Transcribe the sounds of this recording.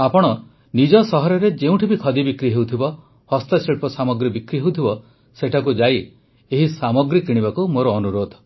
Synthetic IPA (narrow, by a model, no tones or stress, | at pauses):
apɔɽ̃ɔ | nid͡ʒɔsɔɦɔɾɔɾed͡ʒeũʈʰibikʰɔd̪ibikɾiɦewt̪ʰibɔ | hɔst̪aseɭpɔsamɔɡɾibikɾiɦewt̪ʰibɔ | seʈʰak̬ud͡ʒaj | eɦisamɔɡɾikiɽ̃ibakumoɾɔːnuɾod̪ʱ